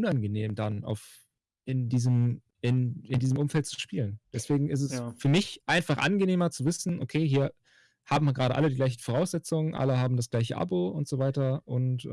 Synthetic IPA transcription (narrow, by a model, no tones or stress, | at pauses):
ʔʊnanɡəneːmdanʔa̰ʊf | ɪndiːzəm | ɪnɪndiːzəmʔʊmfɛlt̚t͡su̥ʃpiːlənd̥ɛsv̥eːɡŋ̩ɪs̬tɛsfyːɐmɪçʔaɪnfaχʔa̰nɡəneːmɐt͡suvɪsn̩ʔokʰeːɦiːɐ | haːbm̩viɐɡʁaːɾəʔa̰lədiːɡlaɪçn̩foʁaʊsz̥ɛt͡sʊŋənʔa̰ləɦaːbm̩dasɡ̥laɪçəʔa̰boʊntz̥ovaɪtɐʔʊnt